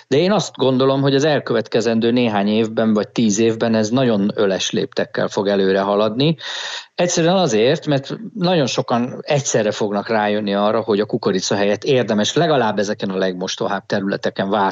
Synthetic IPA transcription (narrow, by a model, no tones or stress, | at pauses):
d̪ɛeːnɒst̪ɡo̞nd̪o̞lo̞mɦo̞ɟɒzɛlkø̞vɛt̪kɛzɛnd̪øːneːɦaːɲeːvbɛɱvɒc̚t̪iːzeːvbɛnɛznɒɟo̞nølɛʃlḛːpt̪ɛkːɛ̰lfo̞ɡɛløːɾɛɦɒlɒd̪ni | ɛcsɛɾyɛnɒzeːrt̪mɛrt̪nɒɟo̞nʃo̞kɒnɛcsɛrːɛfo̞ɡnɒkraːjø̞nːiɒrːɒho̞ɟɒkukoɾit̪sɒɦɛjɛt̪ːeːrd̪ɛmɛʃlɛɡɒlaːbːɛzɛkɛnɒlɛɡmo̞ʃt̪o̰ɦaːb̚t̪ɛɾylɛ̰t̪ɛkɛɱvaː